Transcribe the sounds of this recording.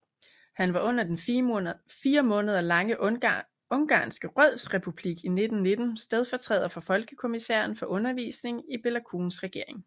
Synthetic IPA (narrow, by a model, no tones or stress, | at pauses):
hænʋɑ̈ʔɔ̽n̰ɐd̥en | fiːɐmɔ̽ːnəð̞̩ˠɐlɑ̈ŋə | ɔ̽nɡ̥ɑ̰̈ːnsɡ̥əʁœð̰ˠsʁɛpʰub̥liɡ̥ine̝d̥n̩ne̝d̥n̩sd̥eð̞ˠfɒt͡sʰʁɛ̰ːð̰ˠɐfɒ̽fɒ̽lɡ̥əkʰo̝misæ̰ːɐnfɒ̽ʔɔ̽nɐʋḭːsne̝ŋib̥e̝lækʰṵːnsʁɛɡ̥e̝ɐ̰e̝ŋ